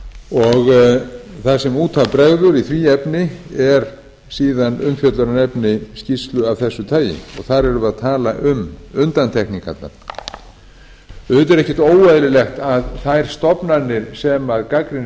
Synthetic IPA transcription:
ɔɣ | θasɛmuːt̪ʰavpɾɛɣðʏɾiθviːɛpnɪɛɾ | siːðanʏmfjœt̪laɾanɛpnɪscist̪lʏavθɛsːʏt̪ʰaːjɪ̰ɔɣθaɾɛɾʏvaðt̪ʰaːlaʔʏmʏnt̪ant̪ʰɛkniŋkʰa̰t̪la̰ | θɪt̪ɛɾɛhcɪ̥t̪oːwvajðlɪlɛxt̪aðθajɾ̥st̪ɔpnaɾnɪɾ̥sɛmaðkakɾɪn

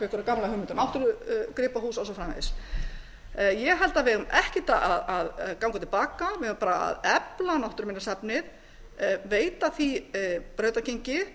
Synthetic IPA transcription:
kɛkʏɾakamːlahʏmɪnt̪aɾnawht̪ʏɾʏkɾɪːpaɦuːsɔls̬ɔfɾaːmḛːðɪs | jɛɣɦɛlt̪avɪʏmɛhcɪt̪aʔaðaðkawŋkat̪ɪl̥paːkavɪʏmpaːɾaa̰ðɛplanawht̪ʏɾmɪnːasapnɪð | veːjt̪aθipɾœːɥt̪aceɲcɪ

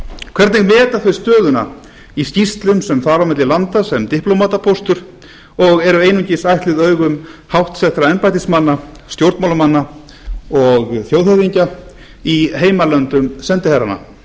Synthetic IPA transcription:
kʰvɛɾt̪nɪɣmɛːt̪aθvœst̪œːðʏna̰ | iscist̪lʏmsɛmθaɾawmɪt̪lɪlant̪asɛmt̪ɪhplomaːt̪apʰowst̪ʏɾ̥ | ɔɣɛɾʏeːjnʏɲcɪsajht̪lɪðœːɥɣʏmhawht̪sɛht̪ɾaɛmpajt̪ɪsmanːa | st̪jowɾt̪mawlʏmanːa | ɔɣθjowðhɛðiɲca | iɦeːjmalœnt̪ʏmsɛnt̪ɪhɛɾa̰na̰

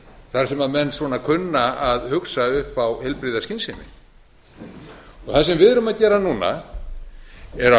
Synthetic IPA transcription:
θaɾ̥sɛmamɛnːsvɔːnakʰʏnːaaðhʏksaʏhpawhɛlpɾɪðascinsɪnɪ̰ | ɔθasɛmvɪðɾʏmaðcɛːɾanuːna̰ | ɛɾa

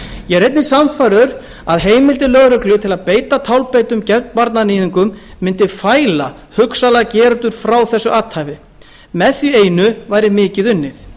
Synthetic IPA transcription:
jɛɾejt̪nɪsamfajɾʏɾ | aðɦeːjmɪlt̪ɪlœɣɾœklʏt̪ʰɪlaðpeːjt̪at̪ʰawlpeːjt̪ʏmcɛ̥paɾt̪nanɪːðiŋkʏmːɪnt̪ɪfaːjla | hʏksalacɛːɾt̪ʏɾ̥fɾawθɛsːʏʔaːt̪haːvɪ | mɛθjʏeːjnʏvajɾɪmɪːcɪðʏnːɪθ

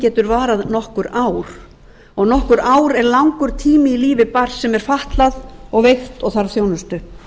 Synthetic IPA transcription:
cɛːt̪ʏɾvaːɾaðnɔhkʏɾaːwɾ̥ | ɔɣnɔhkʏɾaːwɾɛɾlawŋkʏɾ̥t̪ʰiːmɪiliːvɪpar̥sɛmɛɾ̥faht̪laðɔɣvejxt̪ɔɣθaɾθjoːwnʏst̪ʏ

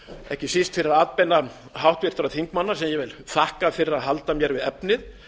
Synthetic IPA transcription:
ɛ̰hcɪsist̪fɪɾɪɾaaːt̪̚pɛnːa | ɦawht̪vɪr̥t̪ʏɾaθʰiŋkmanːasɛmjɛvɪlθahkafɪɾɪɾaðɦalt̪amjɛɾvɪðɛpnɪð

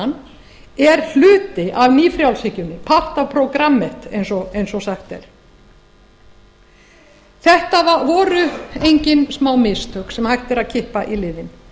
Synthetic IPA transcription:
n | ɛɾ̥l̥ʏːt̪ɪʔavniːfɾjawlsɪcʏnːɪpʰaht̪apʰɾowkɾamːɛht̪ḛjnsɔejnsɔsaxt̪ɛ̰ɾ̥ | θɛht̪avavɔːɾʏejɲcɪnsmaːwmɪst̪ʰœksɛmhajht̪ɪɾaðcʰɪhpaʔilɪːðɪn

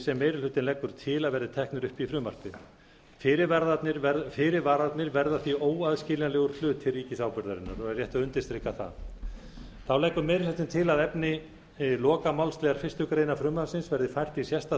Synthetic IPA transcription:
sɛmːeːjɾɪlʏt̪ɪnlɛkːʏɾ̥t̪ʰɪlaðvɛɾðɪt̪ʰɛhknʏɾʏhpifɾʏːma̰r̥t̪ɪ | fɪɾɪɾvaɾðat̪nɪɾfɪɾɪvaɾðat̪nɪɾvɛɾðaθioːwaðscɪːlnalɛːɣʏɾ̥t̪lʏːt̪ʰːɪlriːcɪsaːwpʏɾðaɾɪnːa̰ɾɔɣɛɾrjɛht̪aʏnt̪ɪ̥st̪ɾɪkːaθa̰ | θawlɛkːʏɾmeːjɾɪlʏt̪ɪnt̪ʰɪlaðɛpnɪ | lɔːkamawlst̪lɛɣaɾ̥fɪst̪ʏkɾeːjnafɾʏːmasɪnsvɛɾðɪfajr̥t̪isjɛst̪a

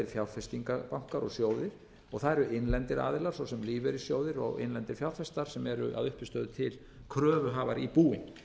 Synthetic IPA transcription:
ɪɾ̥fjawɾfɛst̪iŋkapawŋ̥kaɾɔɣsjoːwðɪɾ̥ | ɔɣθaðɾʏɪnlɛnt̪ɪɾa̰ːðɪlaɾ̥sɔwsɛmliːvɛɾi̥sjoːwðɪɾɔ̰ɣɪ̰nlɛnt̪ɪɾ̥fjawɾfɛst̪aɾ̥sɛmɛɾʏ̰ʔa̰ðʏhpɪst̪œːðʏt̪ʰɪl | kʰɾœːvʏɦavaɾipuːɪn

